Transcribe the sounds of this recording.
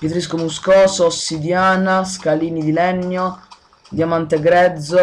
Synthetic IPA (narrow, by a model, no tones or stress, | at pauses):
pjet̪ɾiskomuskɔːsosːid̪jaːnaskaliːnid̪ilɛɲːo | d̪jamant̪eɡɾɛd̪zːo